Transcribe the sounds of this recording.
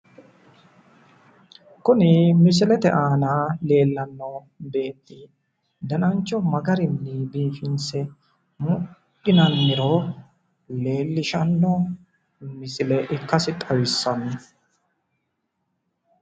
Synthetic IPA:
kʊnɪmɪs̬ɪlɛt̪ɛʔaːnaːle̞ːlːɐnːɔ | be̞ːt̪ːɪ | d̪ɐnɐnt͡ʃːɔmɐɡɐɾɪnːɪbiːfɪnsɛ | mʊkːɪnɐnːɪɾɔ | le̞ːlːɪʃɐnːɔ | mɪsɪlɛʔɪkːɐsɪt̪ʼɐwɪsːɐnɪ

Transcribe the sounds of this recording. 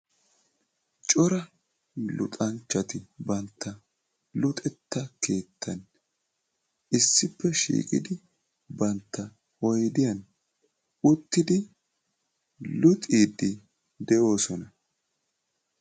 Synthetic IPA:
t͡ʃʼɔɾɐ | lʊ̰t̪ʼɐnt͡ʃːɐt̪ɪbɐnt̪ʰːɐ | lʊt̪ʼɛt̪ːɐke̞ːt̪ʰːɐn | ɪsːɪpːɛʃḭːkʼɪ̰d̪ɪ | bɐnt̪ːɐ | ɔjd̪ɪjɐn | ʊt̪ːɪd̪ɪ | lʊt̪ʼiːd̪ɪ | d̪ɛʔo̞ːsɔnɐ

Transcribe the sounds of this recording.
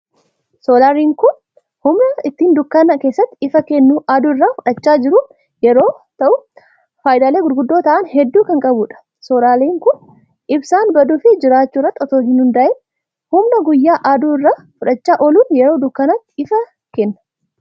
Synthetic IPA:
soːlaːɾiːŋkʊn | hʊmnɐɪt̪ːiːnd̪ʊkːɐnɐke̞ːsːɐt̪ːɪɪfɐkɛnːuʔaːd̪uːɪrːaːfʊᶑɐt͡ʃːaːd͡ʒɪɾʊ | jɛɾo̞ːt̪ɐʔʊ | faːjd̪aːleːɡʊɾɡʊd̪ːoːt̪ɐʔɐnhɛd̪ːuːkɐŋkʼɐbʊᶑɐ̥ | soːlaːliːŋkʊn | ɪbsaːnbɐd̪uːfɪd͡ʒɪɾaːt͡ʃːuːrːɐt̪ːɔt̪o̞ːɦɪnhʊnd̪ɐʔɪ | hʊmnɐɡʊjːaːʔaːd̪uːɪrːaː | fʊᶑɐt͡ʃːaːʔɔluːnjɛɾo̞ːd̪ʊkːɐnɐt̪ːɪɪfɐ | kɛnːɐ̥

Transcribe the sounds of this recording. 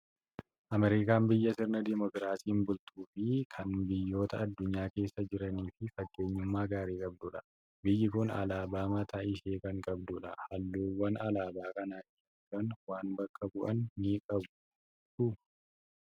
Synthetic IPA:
ʔɐmɛɾɪkaːmbɪjːɐsɪɾnɐd̪ɪmɔkɾaːsiːmbʊlt̪ʰuːfɪkʰɐnbɪjːo̞ːt̪ɐːd̪ːʊɲːaːke̞ːsːɐd͡ʒɪɾɐniːfɪfɐɡːe̞ːɲːʊmːaːɡaːɾeːkʼɐb̚d̪ʊᶑɐ̥ | bɪjːɪkʊnɐ̰laːbaːmɐt̪ʰaːʔɪʃeːkɐŋkʼɐbd̪ʊᶑɐhɐlːuːwɐnɐlaːbaːkɐnaːʔɪ | kːɐnwaːnbɐkʼːɐbʊʔɐnːiːkʼɐbʊ̥ | ʊ

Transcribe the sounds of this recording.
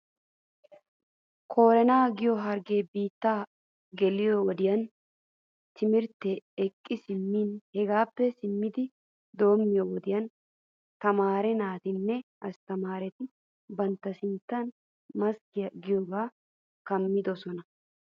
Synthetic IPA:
kʰo̞ːɾɛnaːɡɪjɔɦɐɾɡeːbiːt̪ːaː | ɡɛlɪjɔwɔd̪ɪjɐn | t̪ɪmɪɾt̪ːɛːkʼːɪsɪmːiːnhɛɡaːpːɛsɪmːɪd̪ɪ | d̪o̞ːmːɪjɔwɔd̪ɪjɐn | t̪ɐmaːɾɛnaːt̪ɪnːɛ | ɐst̪ɐmaːɾɛt̪ɪ | bɐnt̪ːɐsɪnt̪ːɐn | mɐskɪjɐɡɪjoːɡaː | kɐmːɪd̪ɔsɔnɐ

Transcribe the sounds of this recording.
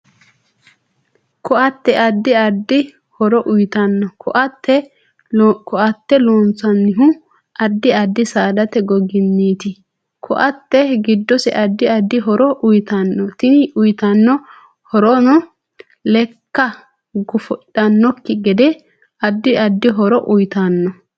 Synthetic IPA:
kɔɐt̪ːɛʔɐd̪ːɪɐd̪ːɪ | hɔɾɔʔʊjt̪ɐnːɔkʰɔʔɐt̪ːɛ | kɔʔɐt̪ːɛloːnt͡sɐnːɪɦʊ | ɐd̪ːɪɐd̪ːɪsaːd̪ɐt̪ɛɡɔɡɪnːiːt̪ɪ | kʰɔ̰ʔɐt̪ːɛɡɪd̪ːɔsɛ̰ʔɐd̪ːɪɐd̪ːɪɦɔɾɔʔʊjt̪ɐnːɔt̪ɪnɪʊjt̪ɐnːɔ | hɔɾɔnɔ | lɛkːɐ | ɡʊfɔᶑɐnːɔkːɪɡɛd̪ɛ | ɐd̪ːɪɐd̪ːɪɦɔɾɔʔʊjt̪anːɔ

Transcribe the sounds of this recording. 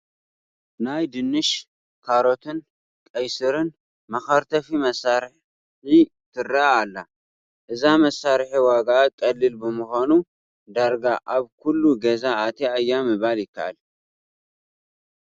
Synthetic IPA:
najd̪ɨnːɨʃ | kʰaɾo̞t̪ʰɨn | kʼɐjsɨɾɨn | mɐxaɾt̪ʰɐfimɐsːaɾħ | i | t̪ʰɨraːlːa | ʔɨzamɐsːaɾħiwaɡaːkʼɐlːɨlbɨmɨxʷanu | d̪aɾɡaʔaβkʰulːuɡɐzaːt̪ʰiajːamɨβaljɪkːaʔa̰l

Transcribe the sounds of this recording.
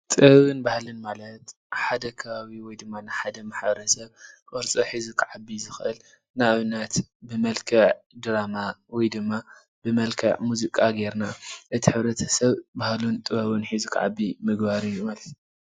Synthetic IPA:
t̪ʼɨβɨnbahlɨnmalɐt̪ | ħad̪ɐkʰɐβaβiwɔjd̪ɨmːanɨħad̪ɐmaħbɐɾɐsɐβkʼɔɾt͡sʼoħizukʰʕabːizɨxɨʔɨl | naβɨnːat̪bɨmɐlkʰɐʕ | d̪ɾamawɔjd̪ɨmːa | bɨmɐlkʰɐʕmuzikʼaɡe̞ɾnaʔɨt̪ʰiħɨβɾɐt̪ʰɐsɐβbahlunt̪ʼɨɐβɨnħizukʰʕa̰bːimɨɡbaɾɨjːumalɐt̪u̥

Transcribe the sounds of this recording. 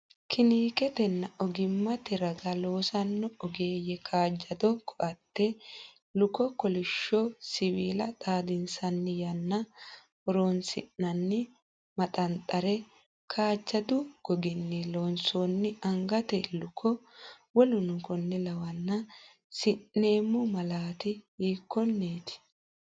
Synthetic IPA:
kʰɪniːkɛt̪ɛnːɐɔɡɪmːɐt̪ɛɾɐɡɐloːsɐnːɔɔɡe̞ːjɛkʰaːd͡ʒːɐd̪ɔkʰɔʔɐt̪ːɛ | lʊkɔkɔlɪʃːɔsɪwiːlɐt̪ʼaːd̪ɪnsɐnːɪjɐnːɐ | hɔɾoːnsɪ̰nːɐnːɪ | mɐt̪ʼɐnt̪ʼɐɾɛ | kʰaːd͡ʒːɐd̪ʊɡ̥ɔɡɪnːɪloːnsoːnːɪɐŋɡɐt̪ɛlʊkʰɔ | wɔlʊnʊkɔnːɛlɐwɐnːɐ | sɪnːe̞ːmːʊmɐlaːt̪ɪiːkːɔnːeːt̪ɪ̥

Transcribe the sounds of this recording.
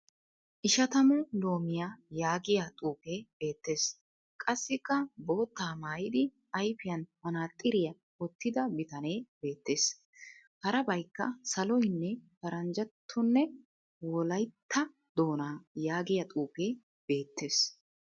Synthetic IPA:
ʔɪʃɐt̪ɐmʊlo̞ːmɪjajaːɡɪjat̪ʼuːpe̞ːb̥e̞ːt̪ːe̞ːs | kʼɐsːɪkːɐbo̞ːt̪ːaːmaːjɪd̪ɪ | ɐjfɪjɐnmɐnaːt̪ʼːɪɾɪjɐ | ɔt̪ːɪd̪ɐbɪt̪ɐne̞ːbe̞ːt̪ːe̞ːs | hɐɾɐbɐjkːɐ̰sɐlɔjnːɛfɐɾɐnd͡ʒɐt̪ʰːʊnːɛ | wɔlɐjt̪ʰːɐ | d̪o̞ːnaːjaːɡɪjɐt̪ʼuːpe̞ː | b̥e̞ːt̪ːe̞ːs

